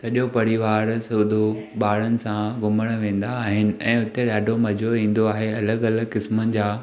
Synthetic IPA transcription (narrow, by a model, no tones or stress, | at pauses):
sɐɗopɐɾiʋaːɾsʊːd̪ʱo | ɓaːɽənɪ̆sãɡʊməɽ̃ʋẽːn̆d̪aːɦɪnɪ̆ɛ̃ːʊt̪eɗaːɖʱomɐd͡ʑʱoĩːn̆d̪oaːɦeɐləɡɐləɡkɪsmənɪ̆d͡ʑaː